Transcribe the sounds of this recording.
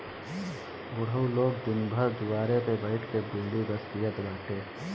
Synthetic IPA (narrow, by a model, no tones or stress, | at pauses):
bʊɽəwloːɡ̚d̪ɪnbʱəɾd̪ʊʋaːɾepebəɪʈʰkebeːɽibəst̪ijət̪baːʈʰeː